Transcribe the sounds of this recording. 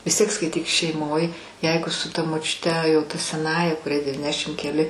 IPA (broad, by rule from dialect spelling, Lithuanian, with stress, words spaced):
ʋʲɪs ˈtʲiɛk skɐɪˈtʲiːk ʃʲɛɪˈmoːj ˈjɛɪɡʊ sʊ tɐ moːt͡ʃʲʊˈtʲɛ jɛʊ tɐ sʲɛˈnɑːjɛ kʊˈrʲɛɪ dʲɛʋʲiːˈnʲæːʃʲɪm kʲɛˈlʲɪ